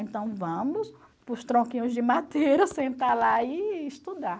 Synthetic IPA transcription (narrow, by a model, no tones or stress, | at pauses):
ẽnt̪ɐ̃w̃vɐ̃mʊs | pɾʊst̪ɾõkĩɲʊzd͡ʒɪmat̪eɾɐsẽnt̪alaɪːst̪ud̪a